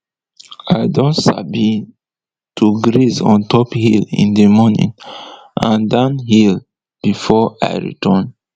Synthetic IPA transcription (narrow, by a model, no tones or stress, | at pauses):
ajdɔ̃ntsa̰bi | tʰuɡɹizɔ̰̃ntʰɔphilḭ̃ndəmɔnḭ̃ŋ | ʔãndãnhil | b̥ifɔa̰ɪɹḭtʰɔ̃n